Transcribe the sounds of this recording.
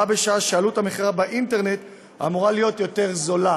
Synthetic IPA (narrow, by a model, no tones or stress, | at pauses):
abeʃaaʃealutameχiʁabeʔinte̞ʁne̞t̪ | a̰muʁalijo̞tjo̞te̞ʁzo̞la